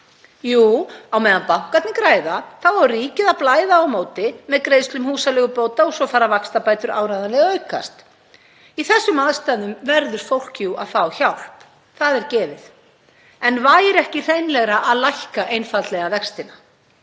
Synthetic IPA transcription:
juːawmɛːðanpawkat̪nɪkɾaːjðaθawvariːcɪðaðplaːjðaːwmoːwt̪ɪmɛðkɾeːjðst̪lʏmhuːsalɛɣʏpoːwt̪aɔsɔfaːɾavakst̪apaːjt̪ʏɾʔa̰ːwɾajðanlɛɣaœɥka̰st̪ | iθɛsːʏmaðst̪aðʏmvɛɾðʏɾ̥fowl̥cua̰ðfaːwçawl̥p | θaðɛɾcɛːvɪð | ɛnvaːjɪɾɛhcɪθejnlɛɣɾaʔaðlajhkaʔejnfat̪lɛɣavɛkst̪ɪna

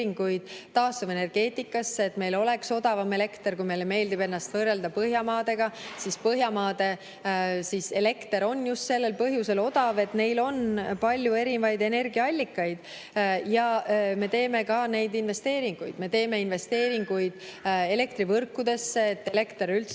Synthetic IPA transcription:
iŋɡ̥ujd̪̥̚t̪ɑːst̪uve̞ne̞rɡ̥e̞ːt̪ˑikːˑɑsːeet̪ːme̞jlo̞le̞kso̞d̪̥ɑvɑme̞le̞kt̪erkujme̞jlːeme̞ːld̪ibe̞nːɑst̪vɤːre̞ld̪ɑpɤɦjɑmɑːd̪e̞ɡ̥ɑsispɤɦjɑmɑːd̪̥e̞ | sise̞le̞kt̪eɾo̞nːjust̪se̞lːe̞lpɤɦjuse̞lo̞d̪ɑve̞t̪ne̞jlo̞npɑlʲːjue̞ɾinvɑjd̪e̞ne̞rɡiɑɑlʲːikːɑjd̪̥ | jɑme̞t̪e̞ːme̞kɑne̞jd̪inve̞st̪e̞ːɾiŋɡ̥ujd̪̥me̞t̪e̞ːme̞inve̞st̪e̞ːɾiŋɡ̥ujd̪̥e̞le̞kt̪ɾivɤrkːˑud̪e̞sːeːt̪ːe̞le̞kt̪eɾylt̪s

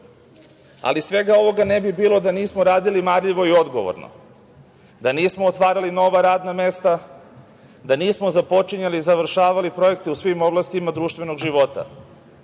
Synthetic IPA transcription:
a̰lisʋe̞ɡao̞ʋo̞ɡanebibiːlo̞d̪aniːsmoɾaːd̪ilimaɾʎiʋo̞io̞d̪ɡo̞̰ʋo̰ɾno̰ | d̪aniːsmoːt̪ʋaːɾalino̞ʋaɾaːd̪name̞st̪a | d̪aniːsmozapo̞t͡ʃiɲalizaʋr̩ʃaːʋalipɾo̞je̞kt̪eusʋimo̞blˠast̪imad̪ɾuːʃt̪ʋe̞no̞ɡʒiʋo̞t̪a̰

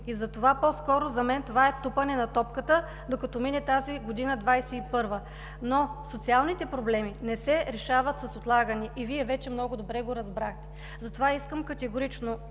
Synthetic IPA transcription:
izɐt̪ovapɔskɔɾʊzɐmɛnt̪ovaɛt̪upənɛnɐt̪ɔpkət̪ə | d̪okɐt̪ɔminɛt̪aziɡod̪inəd̪vajsɛipɤɾvə | nosot̪sialˠnit̪ɛpɾoblɛminɛsɛɾɛʃavət̪sɐsot̪lˠaɡəniʔiviɛvɛt͡ʃɛmnɔɡʊd̪obɾɛɡoɾɐzbɾaxt̪ɛ̥ | zɐt̪ovaiskəmkɐt̪ɛɡoɾit͡ʃno

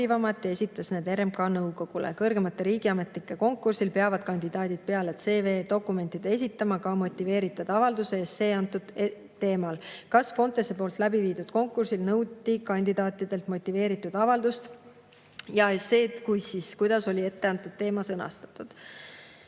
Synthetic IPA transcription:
ivɑmɑt̪ːˑjɑe̞sʲit̪ːˑɑsneːd̪e̞ɾemkɑnɤwko̞ɡ̥ulḛkɤrɡe̞mɑt̪ːˑeɾiːɡ̥iɑme̞t̪likːˑeko̞ŋkːˑursilpe̞ɑvɑd̪̥kɑnʲd̪id̪̥ɑːd̪̥id̪̥̚pe̞ɑlet̪se̞ːve̞ːd̪o̞kːˑume̞nʲt̪id̪̥e̞s̬ʲit̪ːˑɑmɑkɑmo̞t̪ʲːˑive̞ːɾit̪ːˑɑd̪̥ɑvɑld̪useest̪se̞ːɑnt̪ːud̪̥e | t̪ːe̞ːmɑlkɑsfo̞nt̪ˑesepo̞ːlt̪ˑlæbiviːd̪ud̪̥ko̞ŋkːˑursilnɤwd̪ikɑnʲd̪id̪̥ɑːt̪ʲːˑid̪̥e̞lt̪mo̞t̪ʲːˑive̞ːɾit̪ːˑud̪̥ɑvɑld̪̥ust̪ | jɑese̞ːkujsiskujd̪̥ɑso̞lʲie̞t̪ːeɑnt̪ːˑud̪̥̚t̪ːe̞ːmɑsɤnɑ̰st̪ɑ̥t̪ːˑud̪̥

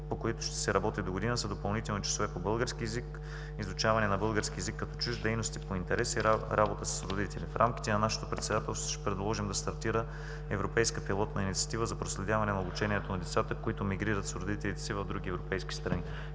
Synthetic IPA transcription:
pokoit̪ʊ̥ʃt̪ɛ̥sɛɾɐbɔt̪id̪oɡod̪inəsɐd̪opɐlˠnit̪ɛlˠnot͡ʃɐ̥sovɛpobɤlˠɡəɾskiɛzik | izʊt͡ʃavɐnɛnɐbɤlˠɡəɾskiɛzikːɐt̪ɔt͡ʃuʒd̪ɛjnost̪ipoint̪ɛɾɛsiɾʔabot̪əsə̥sɾod̪it̪ɛlifɾʔamki̥t̪ɛnɐnaʃe̥t̪o̥pɾɛt̪sɛd̪at̪ɛlˠst̪oʃɛ̥pɾɛd̪lˠɔʒimd̪ɐst̪ɐɾt̪iɾə | ɛvɾopɛjskəpilˠɔt̪nɐinit̪si̥ɐ̥t̪ivəzɐpɾoslɛd̪ʲavɐnɛnɐobut͡ʃɛniɛt̪onɐd̪ɛt̪sat̪əkoit̪ʊmiɡɾiɾət̪sɾod̪it̪ɛlit̪ɛ̥sivɐvd̪ɾuɡ̟ʲiɛvɾopɛjski̥st̪ɾɐni

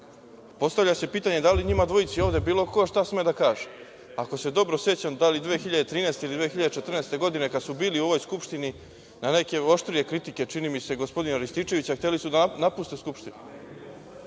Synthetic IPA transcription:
po̞st̪aʋʎase̞piːt̪aɲe̞d̪aliɲimad̪ʋo̞it̪sio̞ːʋd̪e̞biːlo̞ko̞ʃt̪asmed̪akaːʒe | ako̞se̞d̪o̞bɾo̞se̞t͡ɕad̪alid̪ʋeːxiʎad̪et̪ɾiːneːst̪eilid̪ʋexiʎad̪et͡ʃet̪rnest̪e̞ɡo̞d̪ine̞kad̪subiːliuo̞ʋo̞jskupʃt̪ini | nane̞ke̞o̞ʃt̪ɾie̞kɾit̪ike̞t͡ʂinimise̞ɡo̞spo̞d̪inaɾist̪iːt͡ʃe̞ʋit͡ɕaxt̪e̞lisud̪anapust̪e̞skupʃt̪inu

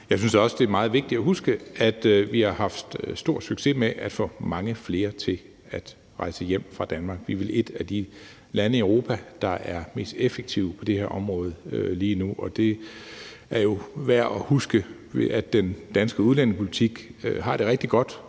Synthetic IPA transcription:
jɑ̈ɪsynsɒ̽səd̥e̝æɐmɑ̈ːð̩ˠʋe̝ɡ̥̚d̥id̥æɦusɡ̥əæd̥ʋihɑ̈hɑ̈fd̥sd̥o̝ɐ̰d̥syɡ̥se̝meʔæd̥fɔ̰̽ːmɑ̈ŋəfle̝ːɐt͡sʰe̝ | æd̥ | ʁɑ̈ɪsəjem̰fʁɑ̈d̥ænmɑ̈ːɡ̥ʋiʋe̝le̝d̥æd̥i | lænəiœʊʁo̝ːpʰæd̥ɑ̈ʔæɐme̝̰ːsd̥efeɡ̥̚t͡sʰiʊpʰɒ̽d̥e̝heɐʔɒ̽mʁɔ̽ːð̞̩ˠøliːnuʔɒ̽d̥e̝ | æɐjo̝ʋæɐ̰ɒhusɡ̥ə | ʋeæd̥ːend̥ænsɡ̥əuðˠlæn̰pʰo̝lit͡sʰiɡ̥øɦɑ̈ɾ̥e̝ʁɛɡ̥̚d̥iɡ̥ɒ̽d̥

